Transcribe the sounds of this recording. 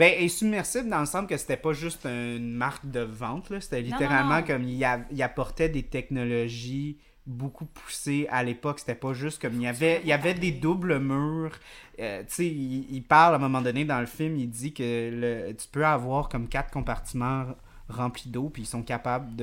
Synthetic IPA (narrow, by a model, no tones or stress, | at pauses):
bɛɛ̃sybmɛʁsɪbld̪ɑ̃ləsɑ̃skəse̥t̪ɛpʌʒʏst̪ɛ̃nmaʁk̚d̪əvɑ̃t̪lɔse̥t̪ɛlit̪eʁalmɑ̃kɔmiavilapɔʁt̪ɛd̪et̪ɛknɔlɔʒi | bokupʰu̥sealepɔkse̥t̪ɛpɔʒʏst̪̚kɔmilavɛijavɛd̪ed̪ʊbləmyːʁøseiipaʁlɛ̃ːmɔmɑ̃d̪ɔned̪ɑ̃ləfɪlmid͡z̪ikʲələt̪y̥pøavwaːʁkɔmkʲat̪χkɔ̃paʁt̪imɑ̃ | ʁɑ̃plid̪opiisɔ̃kapabld̪ə